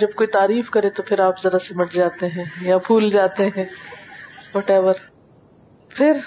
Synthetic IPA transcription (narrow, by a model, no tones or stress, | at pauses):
d͡ʒɐb̚koːit̪aːɾiːfkɐɾẽt̪opʰɪɾaːpzɐɾasemɐʈʰd͡ʒaːt̪eɦɛ̃ːjabʱuːld͡ʒaːt̪eɦɛ̃ː | wɔːʈɛːbəɾ | fʰɪɾ